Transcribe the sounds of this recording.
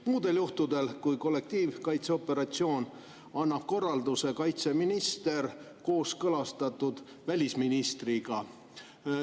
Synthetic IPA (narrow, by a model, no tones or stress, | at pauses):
muːd̪̥e̞ljuht̪ud̪e̞lkujko̞lːe̞k̚t̪iːvkɑjt̪seo̞pːe̞ɾɑt̪sio̞ːn | ɑnːɑb̥̚ko̞rːɑld̪use̞kɑjt̪se̞minist̪e̞r | ko̞ːskɤlɑst̪ɑt̪ːˑud̪̥ | vælʲisminist̪riɡ̥ɑ